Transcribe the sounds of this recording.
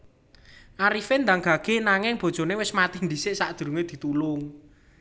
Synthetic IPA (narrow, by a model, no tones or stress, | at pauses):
ʔaɾifend̪aŋɡ̥a̤ɡ̥e̤naŋɪŋb̥o̤d̥ʒ̥o̤newɪsmat̪ɪhnd̪isɪʔsaʔd̪̥ṳɾuŋed̪̥i̤t̪ulʊŋ